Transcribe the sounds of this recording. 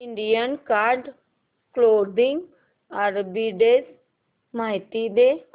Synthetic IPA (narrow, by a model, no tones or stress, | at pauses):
ɪɳɖijənkaɾɖ | kloːd̪ɪ̃ŋɡ | əɾbiɖeːz | maːɦɪt̪id̪e